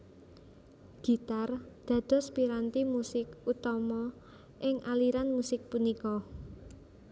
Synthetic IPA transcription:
ɡ̥i̤t̪ard̪̥ä̤d̪̥ɔ̤spiɾant̪imusɪkut̪ɔmɔ | ʔɪŋʔaliɾanmusɪk̚punikɔ

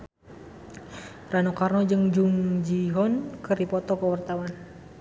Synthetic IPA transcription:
ranukarnɔd͡ʒɨŋd͡ʒuŋd͡ʒiɦɔnkɨrdipɔt̪ɔkəwart̪awan

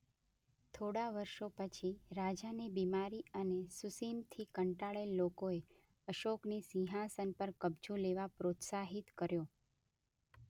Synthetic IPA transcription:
t̪ʰoɽaʋəɾʃopət͡ʃʰiɾad͡ʒanebimaɾiənesusimt̪ʰikəɳʈaɭelːokoe | əʃoknisĩɦasənpəɾkəbd͡ʒũleʋapɾot̪saɦit̪kəɾjo

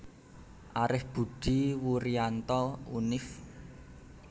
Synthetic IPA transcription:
ʔaɾɪhb̥ṳɖ̥i̤wuɾiant̪ɔunɪf

